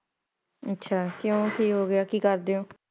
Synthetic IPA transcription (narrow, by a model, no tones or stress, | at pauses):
ətːʃʰaːkjõːkʰiːɦoːɡɪaːkiːkəɾd̪eːõː